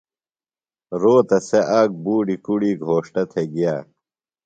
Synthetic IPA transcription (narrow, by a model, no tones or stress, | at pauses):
ɾoːt̪ɐseʔaːɡ̚buːɖikuɽiːɡʱoːʂʈɐt̪ʰeɡijaː